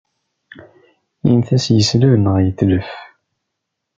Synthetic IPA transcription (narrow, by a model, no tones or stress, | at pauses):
imθæsjəsləvnəʁjət̪ːləf